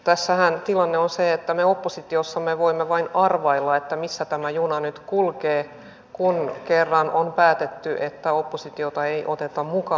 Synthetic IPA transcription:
t̪æsːæhænt̪ilɑnːeonseet̪ːæmeopːosit̪iosːɑmːeʋoimːeʋɑinɑrʋɑilːɑet̪ːæmisːæt̪æmæjunɑnyt̪kulkeː | kunkerːɑnonpæːt̪et̪ːyʔet̪ːæopːosit̪iot̪ɑeiʔot̪et̪ɑmukɑ

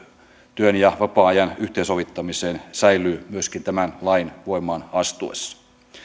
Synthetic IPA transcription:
t̪yønjɑʋɑpɑːɑjɑnyht̪eisoʋit̪ːɑmiseːnsæjlˑyːmyøskint̪æmænlɑinʋoimˑɑːnɑst̪uḛsːɑ̥

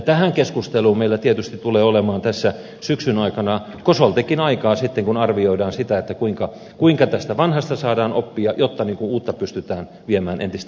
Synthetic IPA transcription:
t̪æhæŋkeskust̪eluːmmeilæt̪iet̪yst̪i̥t̪t̪uleːolemɑːnt̪æsːæ | syksynɑikɑnɑ | kosolt̪ekinɑikɑːsit̪ːeŋkunɑrʋioidɑːnsit̪æet̪ːækuiŋkɑ | kuiŋkɑt̪æst̪æʋɑnhɑst̪ɑsɑːdɑːnopːiɑjot̪ːɑniːŋkuuːt̪ːɑpyst̪yt̪æːn | ʋiemæːnʔḛnt̪ist̪

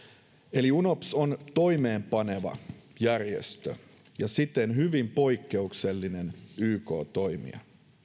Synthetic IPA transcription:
e̞liuno̞psont̪o̞jme̞ːmpɑne̞ʋɑ̰jærjḛst̪ø̰ | jɑsit̪enhyʋimpo̞jkːe̞ukse̞lːine̞nyːko̞̰ːt̪o̞jmḭɑ̰

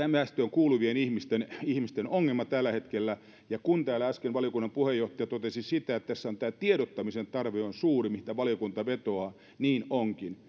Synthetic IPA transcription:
æmæst̪øːŋkuːluʋienihmist̪enihmist̪enoŋːelmɑt̪ælːæhet̪kelːæ | jɑkunt̪æːlːæɑskenʋɑlijokunːɑmpuhejjoht̪ɑjɑt̪ot̪esisit̪æet̪t̪æsːæont̪æːt̪ieɾot̪ːɑmisent̪ɑrʋeonsuːrimiht̪æʋɑlijokunt̪ɑʋet̪oɑ | niːnoŋkin

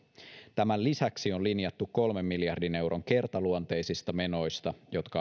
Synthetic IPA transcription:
t̪æmællisæksio̞linjɑt̪ːukkːo̞lme̞mːiljɑrdine̞wɾʔo̞ŋke̞rt̪ɑluont̪ejsist̪ɑme̞no̞jst̪ɑjo̞t̪kɑ

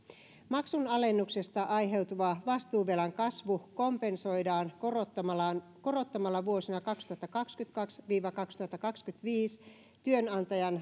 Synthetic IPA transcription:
mɑksunɑle̞nːukse̞st̪ɑʔɑjɦe̞wt̪uʋɑʋɑst̪uːʋelɑŋkɑsʋuko̞mpe̞nso̞jdɑːnotːlɑnko̞ɾo̞t̪ːɑmɑlːɑʋuo̞sinɑkɑkst̪uhɑt̪ːɑkɑkskyt̪kɑksʋiːʋɑkɑkst̪uhɑt̪ːɑkɑkskyt̪ʋiːs | t̪yø̞nɑnt̪ɑjɑn

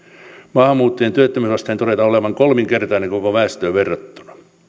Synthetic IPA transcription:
mɑhmuːt̪ːɑjent̪yøt̪ːømysɑst̪ent̪oɾet̪ɑoleʋɑŋkolmiŋkert̪ɑineŋkokoʋæːst̪øːʋerːɑt̪ːu̥nɑ̥

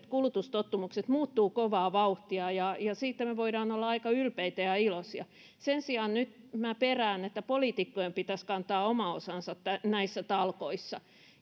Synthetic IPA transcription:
t̪kulut̪ust̪ot̪ːumukset̪muːt̪ːuːkoʋɑːʋɑuht̪iɑjɑjɑsiːt̪ːæmeʋoiɾɑːnolːɑɑikɑylpeit̪æjɑilosjɑ | sensiɑnnyt̪ | mæperæːnet̪ːæpoliːˑt̪ikːojempit̪æskɑnt̪ɑːomɑosɑnsɑt̪t̪ænæisːæt̪ɑlkoisːɑ

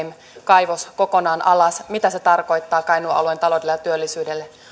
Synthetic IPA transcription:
m | kɑjʋoskokonɑːnʔɑlɑsmit̪æse̞t̪ɑrko̞jt̪ːɑːkɑinuʔɑ̰luent̪ɑlo̞delːejɑt̪yølːisyːdelːe

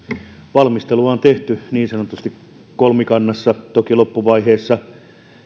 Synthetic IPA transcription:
ʋɑlmist̪eluɑont̪eht̪yniːnsɑnot̪ust̪ik | kolmikɑnːɑsːɑt̪okilopːuʋɑiheːsːɑ

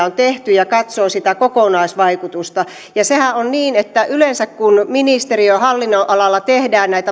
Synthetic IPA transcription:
ont̪eht̪yjɑkɑt̪soːsit̪ækokonɑisʋɑikut̪ust̪ɑ | jɑsehæʔʔonniːnet̪ːæʔylensækkunminist̪eriøhɑlːinːoʔɑlɑlːɑt̪ehdæːnnæit̪æ

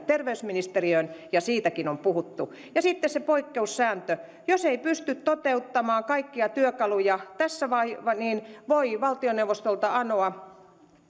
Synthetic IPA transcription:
t̪erʋeysminist̪eriønjɑsiːt̪ækinompuhut̪ːu | jɑsit̪ːessepoikːeussæːnt̪ø | joseipyst̪yt̪t̪ot̪eut̪ːɑmɑːkɑikːiɑt̪yøkɑlujɑt̪æsːæʋɑiɑniːnʋoiʋɑlt̪ioneuʋost̪olt̪ɑɑnoɑ

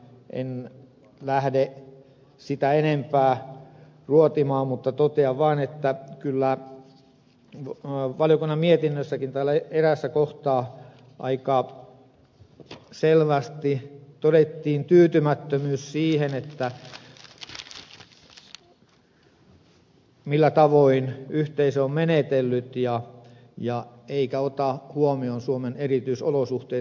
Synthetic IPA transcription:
ʔḛn | læhde | sit̪æenempæː | ruot̪imɑːmmut̪ːɑt̪ot̪eɑʋʋɑːnet̪ːækylːæ | ʋɑljokunːɑmmiet̪inːøsːækint̪æːlːæeeɾæsːækoht̪ɑː | ʔɑ̰ikɑ | selʋæst̪it̪oɾet̪ːiːnt̪yːt̪ymæt̪ːømyːssiːhenet̪ːæ | milːæt̪ɑʋoinyht̪eisøommenet̪elːyt̪jɑ | jɑeikæot̪ɑhuomionsuomenerit̪yisolosuht̪eː

